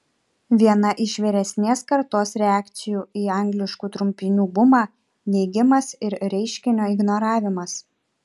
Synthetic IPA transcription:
ʋʲiɛnɐʔɪʃʋʲiːɾʲɛsʲnʲeːskɐɾt̪oːsɾʲɛæːkt̪sʲɪjuːiːɑˑŋʲɡlʲɪʃkuːt̪ɾʊmʲpʲɪnʲuːbʊmɑː | nʲɛɪɡʲɪmɐsɪɾɾʲɛɪʃʲkʲɪnʲoːɪɡnoːɾɑːʋʲɪmɐs

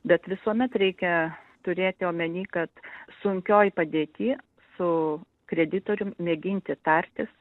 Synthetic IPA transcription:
bʲɛt̪ʋʲɪsuɔmʲɛt̪ɾʲɛɪkʲɛt̪ʊɾʲeːt̪ʲɪoːmʲɛnʲiːkɐt̪sʊŋʲkʲoːjpɐd̪ʲeːt̪ʲiː | sʊ | kɾʲɛd̪ʲɪt̪oːɾʲʊmmʲeːɡʲɪnʲt̪ʲɪt̪ɐɾʲt̪ʲɪs

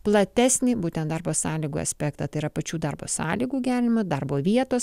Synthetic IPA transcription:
plˠɐt̪ʲæːsʲnʲɪbuːt̪ʲɛnt̪d̪ɐɾboːsɑːlʲiːɡṵːɐ̰sʲpʲæːkt̪ɐt̪ɐɪiɾɐpɐt͡ʃʲuːd̪ɐrbo̰ːsɑ̰ːlʲiːɡuːɡʲæːɾʲɪnʲɪmʊd̪ɐrboːʋʲiɛt̪oːs

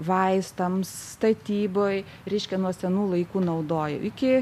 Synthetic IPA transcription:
ʋɐɪst̪ɐmsst̪ɐt̪ʲiːboːj | ɾʲɛɪʃʲkʲɛnuɔsʲɛnuːlˠɐɪkuːnɐʊd̪oːjɛ̰ʊɪkʲɪ

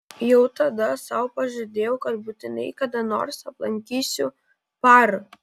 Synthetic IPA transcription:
jɛʊt̪ɐd̪ɐsɐˑʊpɐʒʲʊd̪ʲeːjɛʊkɐt̪but̪ʲɪnɐɪkɐd̪ɐno̰ːɾsɐplˠɐŋʲkʲiːsʲʊ | pɑːɾʊ

